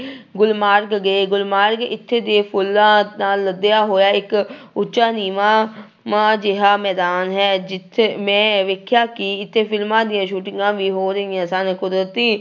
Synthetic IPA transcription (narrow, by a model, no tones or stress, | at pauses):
ɡʊlmaːɾɡɡeːɡʊlmaːɾɡɪ̰t̪ʰːeːd̪eːpʰʊlːãːnaːlːəd̪ejaːɦoːjaːɪkʊtːʃaːniːmaː | mãːd͡ʒeɦaːmɛːd̪aːnɦɛːd͡ʒɪt̪ʰːmɛ̃ːʋeːkʰjaːkɪɪt̪ʰːeːpʰɪlmãːd̪ɪjãːʃuːʈɪŋɡãːʋiːɦoːɾəɪjãːsankʊd̪ɾət̪iː